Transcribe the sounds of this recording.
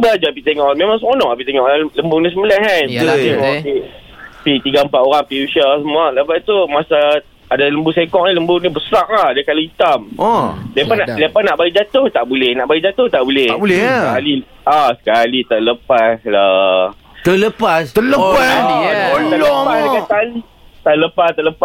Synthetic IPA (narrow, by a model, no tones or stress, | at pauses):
bəlad͡ʒaapit̪eŋɔʔmemaŋsəmonɔʔapit̪eŋɔʔaləmbʊnisəməlakant̪uimapi | pit̪iɡaəmpatʔ̪oɾaŋpiuʃasəmualapat̪umasa | adaləmbusekɔʔ̚niləmbʊnibəsɾak̚lahadakaloit̪amɔlepanalepanaʔbaid͡ʒat̪ʊht̪aʔbulɛhnaʔbaiʔd͡ʒat̪ʊht̪aʔbulɛhbulɛkali | asə̥kalit̪aʔləpasla | t̪ələpast̪ələoa | t̪əəpasakat̪ani | t̪aləpast̪ələpa